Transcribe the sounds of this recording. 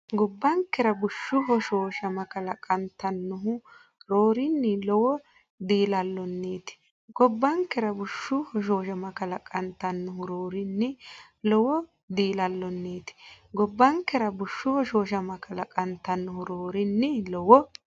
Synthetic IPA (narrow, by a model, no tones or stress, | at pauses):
ɡɔbːɐŋkːɛɾɐbʊʃːʊɦɔʃoːʃɐmɐkɐlɐkʼɐnt̪ːɐnːʊɦʊ | ɾoːɾɪnːɪlɔwɔ | d̪iːlɐlːɔnːeːt̪ɪ̥ | ɡ̥ɔbːɐŋkːɛɾɐbʊʃːʊhɔʃ̬oːʃɐmɐkɐlɐkʼɐnt̪ːɐnːʊɦʊɾoːɾɪnːɪ | lɔwɔ | d̪iːlɐlːɔnːeːt̪ɪ̥ | ɡɔbːɐŋkːɛɾɐbʊʃːʊhɔʃoːʃ̬ɐmɐkʼɐlɐkʼɐnt̪ːɐnːʊɦʊɾoːɾɪnːɪlɔwɔ